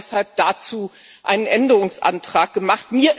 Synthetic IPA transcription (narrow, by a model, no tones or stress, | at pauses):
shalp̚d̥at͡suːʔa̰ɪnənʔɛndəʁʊŋsʔa̰ntʁ̥aːk̚ɡ̥əmaχtmiːɐʔ